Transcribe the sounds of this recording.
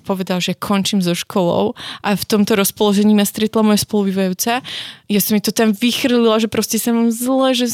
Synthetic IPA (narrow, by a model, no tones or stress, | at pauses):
pɔʋɛd̪alʒɛjakʰɔɲt͡ʃimzɔʃkʰɔlɔ̰ʊʔaft̪ɔmt̪ɔɾɔspɔlɔʒɛɲiːmast̪ɾɛt̪lamɔjɛspɔlubiʋajuːt͡sajasɔmit̪ɔt̪amʋixr̩lilaʒɛpɾɔscɛsamamzlɛʒɛ